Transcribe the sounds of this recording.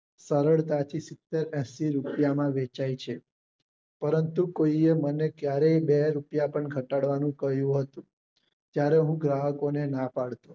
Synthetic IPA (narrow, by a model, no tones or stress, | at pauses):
səɾəɭt̪at̪ʰisɪt̪ːeɾɛ̃siɾupjamãʋet͡ʃajt͡ʃʰe | pəɾənt̪ukoiemənekjaɾeibeɾupjapəɳɡʱəʈaɽʋanũkəɦjũɦət̪ũ | t̪jaɾeɦũɡɾaɦəkonenapaɽt̪o